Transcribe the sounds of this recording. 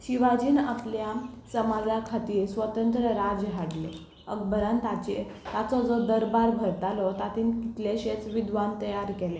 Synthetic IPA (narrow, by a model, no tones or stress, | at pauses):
ɕiʋad͡ʑiːnapljasəmad͡zakʰat̪iːɾsʋət̪ənt̪ɾəɾad͡zɦaɽle | əɡbəɾant̪at͡ɕe | t̪at͡sɔd͡zɔd̪əɾbaɾbʱəɾt̪alɔt̪at̪iːnkit̪leɕet͡sʋid̪ʋant̪əjaɾkɛle